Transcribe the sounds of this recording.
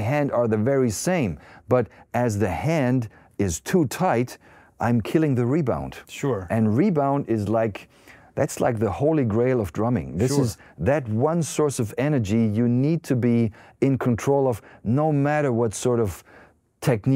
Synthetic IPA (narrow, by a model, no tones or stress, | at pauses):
ɦæ̃ndə˞ðɨvɛɹisẽɪ̃mb̥ʌɾɨzðɨhæ̃nd | ɪz̥tʰutʰaɪɾ | ʔã̰ɪ̃mkʰɪlˠɪ̃ŋðɨɹibã̰ʊ̃nd̥ʃʔɨ̃nɹibãʊ̃ndɪzlaɪk | ðætsla̰ɪk̚ðəhoʊlˠiɡɹeɪlˠʌvdɹʌmɪ̰̃ŋðɪsɨzðɨt̚wʌ̃nsɔɹsʌvɛnə˞d͡ʒijɨnid̚tʰɨbiɨ̃nkʰɨ̃ntʰɹ̥oʊlˠʌvnoʊmæɾə˞wʌtsɔɹɾʌv̥ | tʰɛk̚n